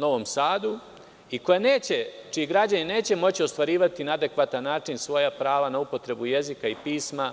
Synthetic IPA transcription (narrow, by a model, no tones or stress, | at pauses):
no̞ʋo̞msaːd̪u | iko̞jene̞ːt͡ɕe̞t͡ʃijiɡɾad͡ʑanine̞ːt͡ɕe̞mo̞t͡ɕio̞st̪ʋaɾiːʋat̪inaːd̪e̞kʋat̪anːaːt͡ʂinsʋo̞japɾaːʋanaupo̞t̪ɾe̞buje̞zikaipiːsma